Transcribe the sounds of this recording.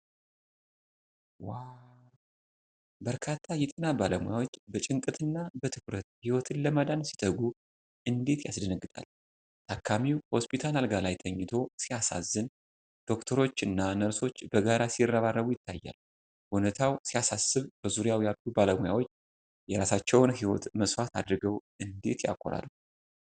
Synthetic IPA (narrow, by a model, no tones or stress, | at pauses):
wa | bəɾkʰat̪ʰːajɛt̪ʼɨnabaləmoja̰wo̞t͡ʃːbət͡ʃʼɨŋkʼɨt̪ʰɨnːabət̪ʰɨkɾət̪̚hiwɔt̪ʰɨnləməd̪ansi̥t̪ʼəɡu | ʔɨnd̪et̪ja̰sd̪ənəɡːɨt̪ʼa̰l | t̪ʰakʰːamiwho̞spʰit̪ʰalalɡalajt̪ʰəɲːɪt̪ʰo̞sijasa̰zːɨn | d̪̥o̞kt̪ʰəɾo̞t͡ʃːɨnːanəɾso̞t͡ʃːbəɡaɾasirːaβarːəβujɪt̪ʰːa̰jːa̰l | ʔonət̪ʰawsijasasːɨβb̥əzuɾijawjalt̪ʰubaləmuja̰wo̞t͡ʃː | jɛɾasat͡ʃːɛwnɦiwɔ̰t̪məsʼfat̪ʰad̪ɾɨɡəw | ɨnd̪e̞t̪ja̰kʷʼːo̰ɾa̰lu